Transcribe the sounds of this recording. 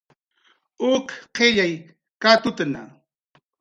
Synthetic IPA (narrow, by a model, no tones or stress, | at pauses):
ʊkqeʎaj | kat̪ʊt̪ana̰